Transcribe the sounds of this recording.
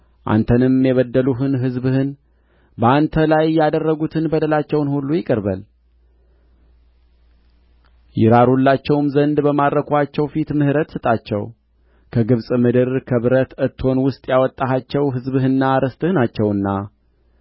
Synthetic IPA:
ʔa̰nt̪ʰənɨmjɛβəd̪ːəluɦɨnɦɨzbhɨn | bəant̪ʰəlajjad̪ərːəɡut̪ʰɨnbəd̪əlat͡ʃːɛwnhulːujɪkʼəɾbə̰l | jɪɾaɾulːat͡ʃːɛwmzənd̪bəmad̪ːəkʰoat͡ʃːɛwfit̪mɨhɨɾət̪sɨt̪ʼat͡ʃːɛ̰w | kʰəɡɨβsʼmɨd̪ɨɾkʰəβɨɾət̪ɨt̪ʰːho̞nwʊst̪ʼjawɔt̪ʼːaɦat͡ʃːɛwɦɨzbhɨnːaɾəst̪ʼɨhɨnat͡ʃːɛwɨnːa

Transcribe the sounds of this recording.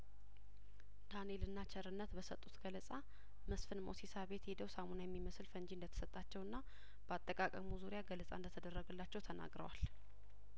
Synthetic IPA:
t̪ʰane̞lɨnːat͡ʃʰɛɾɨnːət̪bəsət̪ʼːut̪ɡ̥ələsʼa | məsfɨnmo̰sisaβe̞t̪hed̪əwsamonajɛmːiməsɨlfəɲd͡ʒind̪ət̪ʰə̥sət̪ʼːat͡ʃːɛwɨnːa | b̥əat̪ʼːəkʼakʼəmuzuɾjaɡələsʼa̰ndət̪ʰəd̪ərːəɡəlːat͡ʃːɛwt̪ʰəna̰ɡɾə̰wa̰l

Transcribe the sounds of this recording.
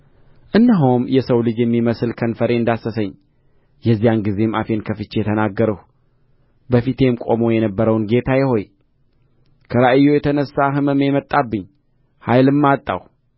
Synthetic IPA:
ʔɨnːaɦomjɛsəwlɨd͡ʒjɛmːiməsɨlkʰənfəɾe̞ɨnd̪asəsəɲː | jɛzːijanɡize̞mafe̞nkʰəfɨt͡ʃːejɛt̪ʰənaɡːəɾəh | bəfit̪ʰe̞mkʼo̞mo̞jɛnəbːəɾəwnɡe̞t̪ʰajɛho̞j | kʰəɾaʔɨjːo̞jɛt̪ʰənəsːaɦɨmɨmemət̪ʼːabːɨɲː | hajlɨmːat̪ʼːa̰w

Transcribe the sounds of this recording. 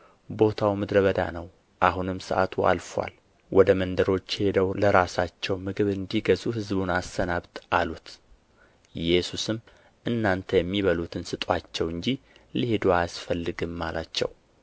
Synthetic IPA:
bo̞t̪ʰawmɨd̪ɾəβəd̪a̰nəw | ʔaɦunɨmsəʔa̰t̪ʰua̰lfa̰l | wʔɔd̪əmənd̪əɾo̞t͡ʃːhe̞d̪əwləɾasat͡ʃːɛwmɨɡɨβɨnd̪iɡəzuɦɨzbunast̪ənaβt̪alut̪ | jɛsusɨm | ʔɨnːant̪ʰəjɛmːiβəlut̪ʰɨnsɨt̪ʼwat͡ʃːɛwɨnd͡ʒilihed̪uajsfəlːɨɡɨmːalat͡ʃːɛ̰w

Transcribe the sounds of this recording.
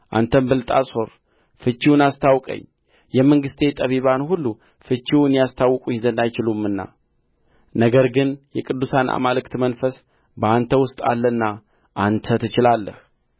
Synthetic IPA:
ʔa̰nt̪ʰəmbɨlt̪ʼasʼho̞ɾ | fɨt͡ʃːiwunast̪ʰawkʼə̰ɲː | jɛməŋɡɨst̪ʰe̞t̪ʼəβiβanhulːu | fɨt͡ʃːiwnjast̪ʰawːɨkʼuhɪzənd̪ajt͡ʃɪlumɨnːa̰ | nəɡəɾɡɨnjɛkʼɨd̪ːusanʔa̰malɨkt̪mənfəs | bəant̪ʰəwʊst̪ʼa̰lːənːa | ʔant̪ʰət̪ʰɨt͡ʃɪlalːə̰h

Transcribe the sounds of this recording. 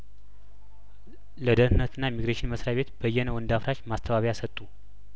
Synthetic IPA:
ləd̪əɾɨnːət̪ɨnːaemiɡɾaʃɪnməsɾaβe̞t̪b̥əjːɛnəwɨnd̪afɾaʃmast̪ʰəβaβjasət̪ʼːu

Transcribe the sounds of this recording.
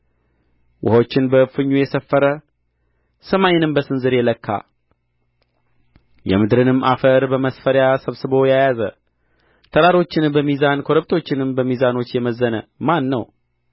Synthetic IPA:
wʊ̰hot͡ʃːɪnbəfɨɲːujɛsəfːəɾə | səmajɪnɨmbəsɨnzɨɾjɛləkːa̰ | jɛ̰mɨd̪ɾɨnɨmːʔafəɾbəməsfəɾjasəβsɨbo̞jajazə | t̪ʰəɾaɾo̞t͡ʃːɪnbəmizankʰo̞ɾəb̚t̪ʰo̞t͡ʃːɪnɨmbəmizano̞t͡ʃːjɛməzːənəmanːəw

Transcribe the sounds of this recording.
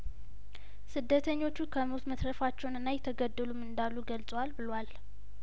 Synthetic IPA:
sɨd̪ːət̪ʰəɲːo̞t͡ʃːukʰəmot̪məsɾəfat͡ʃːɛwnɨnːajɛt̪ʰəɡəd̪ːəlumɨnd̪alːuɡəlt͡sʼəwalbɨlwal

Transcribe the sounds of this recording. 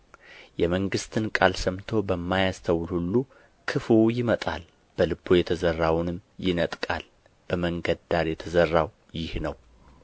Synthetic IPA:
jɛməŋɡɨst̪ʰɨnkʼalsəmt̪ʰo̞bəmːajast̪ʰəwlhulːu | kʰɨfuwjɪmət̪ʼa̰l | b̥əlɨbo̞jɛt̪ʰəzərːawnɨmjɪnət̪ʼkʼal | b̥əməŋɡəd̪aɾjɛt̪ʰəzərːaw | jɪhnəw

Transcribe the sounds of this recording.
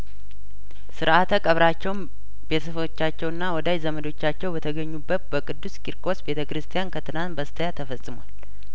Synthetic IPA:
sɨɾʔat̪ʰəkʼəβɾat͡ʃːɛwn | b̥e̞t̪ʰəsft͡ʃːat͡ʃːɛwɨnːawɔd̪ajzəməd̪o̞t͡ʃːat͡ʃːɛwbət̪ʰəɡəɲːubːət̪̚bəkʼɨd̪ːuskʼiɾkʰʼo̞sbe̞t̪ʰəkɨɾɨst̪ʰijankʰət̪ʰɨnant̪bəst̪ʰəjat̪ʰəfəsʼɨmwal

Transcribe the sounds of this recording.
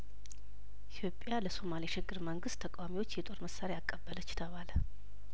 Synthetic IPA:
ʔit̪ʰjo̞pʼːjaləso̞maliʃɪɡːɨɾməŋɡɨst̪ʰəkʼawamiwo̞t͡ʃːjɛt̪ʼo̞ɾməsːaɾeakʼːəbːələt͡ʃːt̪ʰəβalə

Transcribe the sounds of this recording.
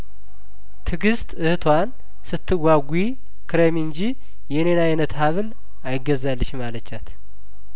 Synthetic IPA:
t̪ʰɨɡɨst̪ʼɨhɨt̪ʰwan | sɨt̪ʰːɨwaɡʷi | kʰɨɾemiɨnd͡ʒi | jɛnenajɪnət̪haβɨl | ajɪɡːəzalːəʃmalət͡ʃːat̪ʰ

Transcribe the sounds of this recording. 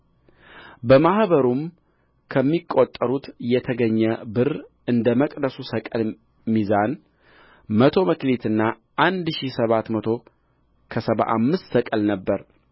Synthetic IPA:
bəmahβəɾum | kʰəmːikʼːot̪ʼːəɾut̪jɛt̪ʰəɡəɲːəbɨr | ɨnd̪əməkʼd̪əsusəkʼəl | mizan | mət̪ʰo̞məklet̪ʰɨnːa | ʔand̪ʃisəβat̪mət̪ʰo̞ | kʰəsəβa̰ʔa̰mːɨst̪səkʼəlnəbːəɾ

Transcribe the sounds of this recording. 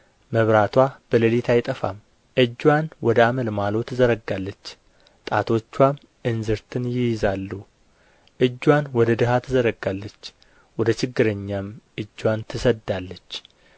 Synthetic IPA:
məβɾat̪ʰwab̥ələlit̪ʰajɪt̪ʼəfa̰m | ʔɨd͡ʒːwanwɔd̪əaməlmalo̞t̪ʰɨzəɾəɡalːət͡ʃː | t̪ʼat̪ʰo̞t͡ʃːwam | ʔɨnzɨɾt̪ʰɨnjɪjɪzalːu | ʔɨd͡ʒːwanwɔd̪əd̪ɨɦat̪ʰɨzəɾəɡːalːət͡ʃː | wɔd̪ət͡ʃʰɪɡːɨɾəɲːamʔɨd͡ʒːwant̪ʰɨsəd̪ːalːət͡ʃː

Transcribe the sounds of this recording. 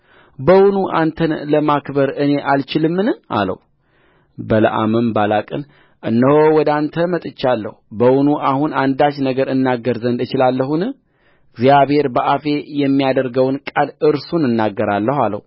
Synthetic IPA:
bəwunuʔant̪ʰənləmakbəɾɨne̞ʔalt͡ʃɪlɨmːɨnɨa̰lə̰hu | bələ̰ʔa̰mɨmbalakʼɨn | ʔɨnːəhowɔd̪ant̪ʰəmət̪ʼɨt͡ʃːalːə̰hubəwunuʔahunand̪at͡ʃnəɡəɾɨnːaɡːəɾzənd̪ɨt͡ʃɪlalːəɦunɨ | ɨɡzijaβhe̞ɾbəʔafe̞jɛmːijad̪əɾɡəwnkʼalɨɾsunɨnːaɡːəɾalːəhalə̰hu

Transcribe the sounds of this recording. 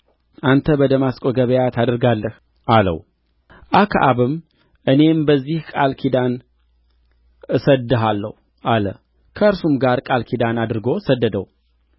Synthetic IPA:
ʔant̪ʰəbəd̪əmaskʼoɡəβəjat̪ʰad̪əɾɡalːəh | ʔalə̰w | ʔakʰa̰ʔaβɨm | ʔɨne̞mbəzːihkʼalkʰid̪an | ɨsəd̪ːɨɦalːə̰hu | ʔalə̰ | kʰəəɾsumɡaɾkʼalkʰid̪anad̪ɨɾɨɡo̞səd̪ːəd̪əw

